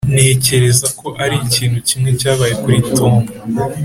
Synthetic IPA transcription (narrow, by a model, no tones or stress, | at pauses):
nehːce̞ɾe̞zako̞ʔaɾiciːn̥hucimŋe̞caːβaːje̞kuɾito̞ːmba